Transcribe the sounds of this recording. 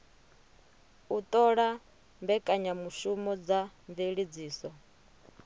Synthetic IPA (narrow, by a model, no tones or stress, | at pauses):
ut̪ʼɔɺa | mbɛkʼaɲamuʃumɔd͡zaɱveɺid͡ziːsɔ